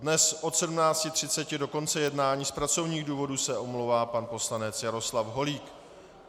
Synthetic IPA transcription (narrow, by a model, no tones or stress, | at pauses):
dnɛsʔot̪sɛdumnaːt͡scɪt̪r̝̥ɪt͡sɛcɪdo̞ko̞nt͡sɛjɛdnaːɲiːspɾat͡so̞vɲiːɣduːvo̞dusɛʔo̞mlowvaːpanpo̞slanɛt͡sjaɾo̞slafɦo̞liːk